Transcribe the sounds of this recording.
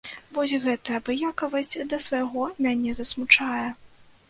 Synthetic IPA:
vɔsʲɣɛt̪ɐjɐbɨjakɐvɐsʲt͡sʲd̪ɐsvɐjɣɔmʲanʲɛzɐsmut͡ʂajɛ

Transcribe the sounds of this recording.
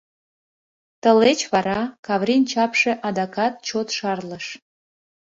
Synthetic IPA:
t̪əlet͡ɕβɑɾɑkɑβɾinʲt͡ɕɑpʃĕʔɑd̪ɑkɑt̪̚t͡ɕot̪ʃɑrləʃ

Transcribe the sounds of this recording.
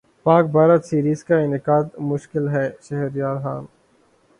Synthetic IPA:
paːk̚baːɾət̪siːɾiːzkaɪnɪkaːd̪mʊʃkɪlɦɛːʃɐɦɛɾjaːɾxaːn

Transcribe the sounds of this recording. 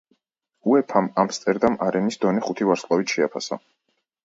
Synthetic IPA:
uɛpʰamamst̪sʼɛɾd̪amaɾɛnisd̪ɔniχut̪ʰivaɾslˠavit̪ʃɛapʰa̰sa̰

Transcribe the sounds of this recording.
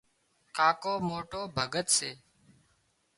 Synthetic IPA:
kaːkoːmoːʈoːbʱəɡət̪seː

